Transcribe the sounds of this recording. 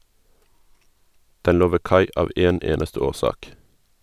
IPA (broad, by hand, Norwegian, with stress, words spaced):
ˈdɛn ˈloː ˈʋeː ˈkɑɪ ˈɑːʋ ˈeːn ˈeːnəstə ˈoːˌsɑːk